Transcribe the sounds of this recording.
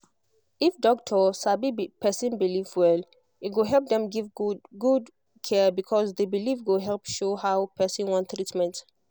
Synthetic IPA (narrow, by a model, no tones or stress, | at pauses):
ifdɔk̚tʰɔsabipʰɛsɔ̃nbilivwɛl | it̚ɡoɦɛlp̚dɛ̃mɡivɡud | kʰɛbikʰɔsðebilivɡoɦɛlpʃohawpʰɛsɔ̃nwɔ̃nttɹitmɛ̃nt